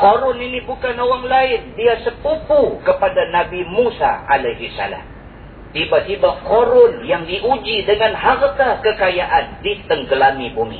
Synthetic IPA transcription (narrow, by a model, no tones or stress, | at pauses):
koɾʊninibukanowaŋlaɪndiasəpupukəpadanabimusa̰a̰lajɦisa̰la̰m | t̪ibat̪ibakoɾʊnjaŋdiʔud͡ʒidəŋanɦart̪akəkajaʔandit̪əŋɡəlamibumḭ